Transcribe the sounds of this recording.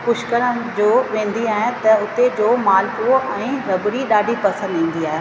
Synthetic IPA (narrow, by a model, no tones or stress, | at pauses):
kʊʃkəɾəd͡ʑoːʋẽːnd̪iaːɦɪ̃t̪ɐʊt̪ed͡ʑoːmaːlkuʔɛ̃ːɾɐbɾiɗaːɖʱipɐsə̃nd̪ɦĩːn̆d̪iaːɦe